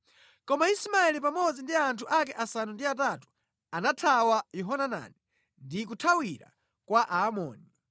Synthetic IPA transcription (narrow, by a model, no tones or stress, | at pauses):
kɔmaismaɛlipamɔd͡zindiantʰuʔakɛʔasanundiatatu̥ | anatʰawajɔɦɔnana̰nɛ | ndik̬utʰawiɾa̰ | kwaʔaːmɔ̰ːni